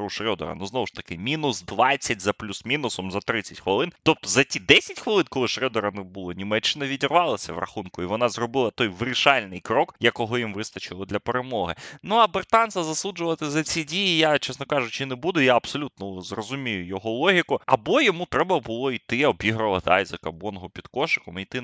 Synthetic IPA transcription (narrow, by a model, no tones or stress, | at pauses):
ɾuʃɾʲɔd̪ɔ̰ɾɐ̰nuznɔʋʊʃt̪ɐkɪmʲinʊsd̪ʋɑt͡sʲːɐtʲzɐplʲusmʲinʊsɔmzɐt̪ɾɪt͡sʲːɐtʲxʋɐlˠɪnt̪ɔp̚t̪ɔzɐtʲid̪ɛsʲɐtʲxʋɐlˠɪnkɔlˠɪʃɾʲɔd̪ɔɾɐnɛbʊlˠɔnʲimɛt͡ʃːɪnɐʋʲidʲirʋɑlˠɐsʲɐʋɾrɐ̰xunkʊiʋɔnɑzrɔbɪlˠɐt̪ɔjʋɾɪʃɑlʲnɪjkɾɔkjɐkɔɦɔjimʋɪst̪ɐt͡ʃɪlˠɐd̪lʲɐpeɾemɔɦɪnuɐbert̪ɑnsɐzɐsˠud͡ʒʊʋɐt̪ɪzɐt͡sʲidʲijijat͡ʃɛsnɔkɑʒʊt͡ʃɪnɛbud̪ʊjaɐbsɔlʲut̪̚nɔzrɔzʊmʲijʊjɔɦɔlˠɔɦʲikʊɐbɔjɔmut̪ɾɛbɐbʊlˠɔit̪ɪɔbʲiɦɾɐlˠɐt̪ɪɑjzɐkɐbɔnɔɦɔpʲid̪̥kɔʃɪ̥kɔmijt̪ɪ